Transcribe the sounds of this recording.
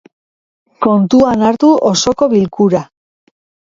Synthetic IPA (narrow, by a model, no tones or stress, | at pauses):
ko̞nt̪uanaɾt̪uʔoso̞ko̞βilkuɾa